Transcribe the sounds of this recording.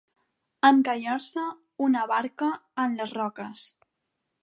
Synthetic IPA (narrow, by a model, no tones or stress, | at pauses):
əŋkaʎaɾsə | unəβaɾkəːnləzrɔkəs